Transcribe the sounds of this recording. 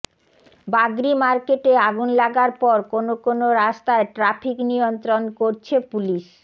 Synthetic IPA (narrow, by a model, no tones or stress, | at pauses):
baɡɾimaɾkeʈeaɡunlaɡaɾpɔɾkonokonoɾast̪aeʈɾapʰiknijont̪ɾonkoɾt͡ɕʰepuliʃ